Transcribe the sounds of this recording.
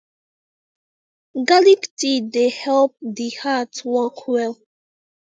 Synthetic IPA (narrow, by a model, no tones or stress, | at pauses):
ɡaliktidehɛlp̚dihatwɔkʰwɛl